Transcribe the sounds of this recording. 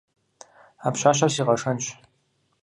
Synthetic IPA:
aːpɕaːɕɐrsiːʁɐʂɐnɕʼ

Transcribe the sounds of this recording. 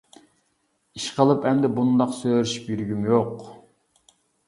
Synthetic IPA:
iʃqʰəlˠɨpʰɛmd̪ɛbund̪ɑqsøɾiʃi̥pjyɾɡʲymjoq

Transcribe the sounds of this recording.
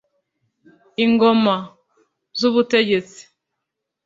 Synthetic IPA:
iŋɡo̞ma | zuβute̞ɟe̞t͡si̥

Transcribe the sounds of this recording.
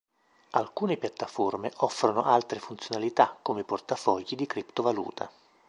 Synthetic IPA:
alkuːnepjat̪ːaformeʔɔfːɾonoʔalt̪ɾefunt̪sjonalit̪akːomeport̪afɔʎːid̪ikɾipt̪ovalṵːt̪ʰa̰

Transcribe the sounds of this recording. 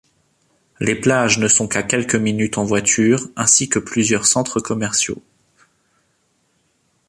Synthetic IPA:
leplaʒnəsɔ̃kakʲɛlkəminyt̪ɑ̃vwat̪ʰyːʁɛ̃sikəplyzjœʁsɑ̃t̪χəkɔmɛʁsjo̰

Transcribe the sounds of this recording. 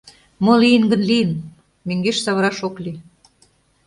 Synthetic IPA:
molijənɡə̆nlijən | møŋɡeʃsɑβəɾɑʃokli

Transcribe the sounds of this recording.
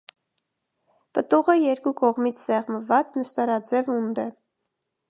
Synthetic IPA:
pət̪uʁəjɛɾkukɔʁmit͡sʰsɛʁməvɑt͡snəʃt̪ɑɾɑd͡zɛvund̪ɛ

